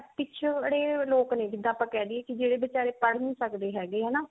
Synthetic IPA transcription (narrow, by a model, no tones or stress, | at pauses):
pɪt͡ʃʰəɽeːloːknẽːkɪd̪aːpãːkɛːd̪iːɛːkɪd͡ʒeːɽeːbət͡ʃaːɾeːpəɽnĩːsəkd̪eːɦɛːɡeːɦɛːnaː